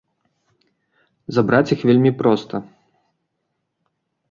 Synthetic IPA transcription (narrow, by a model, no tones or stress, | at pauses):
zabɾat͡sʲixvʲelʲmʲipɾɔst̪ʰɐ